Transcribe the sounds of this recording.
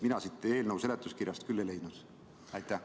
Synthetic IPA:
minɑsit̪ːˑe̞ːlnəuse̞let̪ːˑuskirjɑst̪kylːele̞jd̪nud̪̥ | ɑjt̪ːˑæ

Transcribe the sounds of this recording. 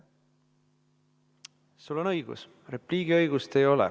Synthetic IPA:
sulːo̞nɤ̞jɡ̥ṵs | re̞pliːɡ̥iɤjɡ̥ust̪e̞jo̞lɛ̰

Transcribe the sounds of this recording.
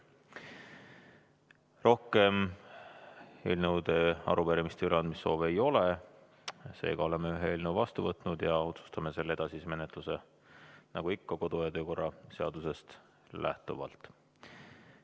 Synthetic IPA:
ro̞hke̞m | e̞̰ːlnewd̪eɑ̰ɾupeɾimist̪eyɾɑnd̪misːo̞ːve̞jo̞le | se̞̰ːɡ̥ɑo̞le̞meyɦeeːlnewvɑst̪uvɤt̪ːˑnud̪jɑo̞t̪su̥st̪ɑme̞se̞lːe̞d̪̥ɑsisme̞net̪ˑluse̞ | nɑɡ̥uikːɑko̞d̪̥ujɑt̪øːko̞rːɑse̞ɑd̪̥use̞st̪ | lʔæ̰ht̪uvɑ̰lt̪ˑ

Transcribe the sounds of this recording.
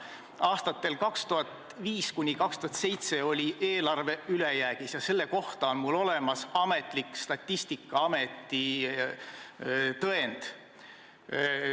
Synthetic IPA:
ɑːst̪ɑt̪ːe̞lkɑkst̪uɦɑt̪ | viːskunʲikɑkst̪uhɑt̪se̞jt̪se̞o̞lʲieːlɑrve̞ylejæːɡ̥isjɑse̞lːe̞ko̞ht̪ɑonmulo̞le̞mɑsɑme̞t̪ˑlikːˑst̪ɑt̪ʲːist̪ikːˑɑɑme̞t̪ːˑi | t̪ɤend̪̥

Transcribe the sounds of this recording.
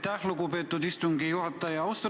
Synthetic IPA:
t̪æxlukupeːt̪ːˑud̪ist̪uŋɡijuhɑt̪ːˑɑjɑɑwst̪

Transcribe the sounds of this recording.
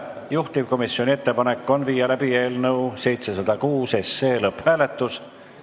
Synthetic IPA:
juht̪ivko̞misːjo̞nʲie̞t̪ːepɑne̞kːˑo̞nviːjɑlæb̥ie̞ːlnɤwse̞jt̪se̞sɑd̪̥ɑkuːse̞sːe̞ːlɤphæːle̞t̪ːˑus

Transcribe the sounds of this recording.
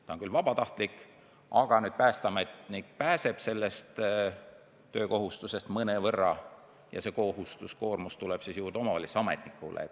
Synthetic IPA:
t̪ɑonkylvɑb̥ɑt̪ɑht̪lik | ɑɡ̥ɑnyːd̪̥pæːst̪ɑmet̪nikpæːse̞b̥se̞lːe̞st̪ | ø̞ːko̞ɦust̪use̞st̪mɤnevɤrːɑ | jɑ̰se̞ko̞ɦust̪usko̞ːrmust̪uleb̥sisjuːrd̪eo̞mɑvɑlʲiseɑme̞̰t̪nikːˑṵlḛ

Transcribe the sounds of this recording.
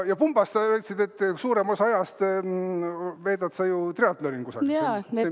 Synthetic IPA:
jɑpumb̥ɑst̪sɑøːt̪sid̪̥e̞t̪ːsuːɾe̞mosɑjɑst̪ | ve̞ːd̪̥ɑt̪sɑjut̪reɑt̪ˑleɾinkusɑ̰kɑne

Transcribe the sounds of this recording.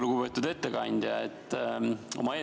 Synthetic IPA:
luɡ̥upe̞ːt̪ːud̪e̞t̪ːe̞kɑnʲd̪̥jɑet̪ːˑo̞mɑeː

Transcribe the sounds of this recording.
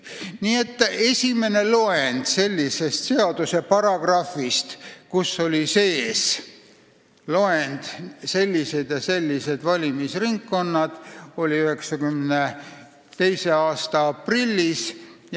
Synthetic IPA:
niːe̞t̪ːe̞sʲime̞ne̞lo̞end̪̥se̞lʲːise̞st̪se̞ɑd̪usepɑɾɑɡ̥rɑfist̪kusːo̞lʲise̞ːs | lo̞end̪̥se̞lʲːise̞d̪̥jɑse̞lʲːise̞d̪̥vɑlʲimisriŋkːo̞nːɑd̪̥o̞lʲiyhe̞ksɑkymne | t̪e̞jse̞ɑːst̪ɑɑprilʲːis

